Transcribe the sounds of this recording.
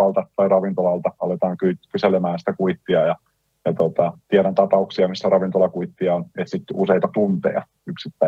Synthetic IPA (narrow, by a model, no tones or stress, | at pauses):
ɑlt̪ɑt̪ɑirɑʋint̪olɑlt̪ɑɑlet̪ɑːŋkykyselemæːnsi̥t̪ækuit̪ːiɑjɑ | jɑt̪ot̪ɑt̪iɛɾænt̪ɑpɑuksiɑmisːærɑʋint̪olɑkuit̪ːiɑonet̪sit̪useit̪ɑt̪unt̪ḛɑ̰ | yksit̪ːæ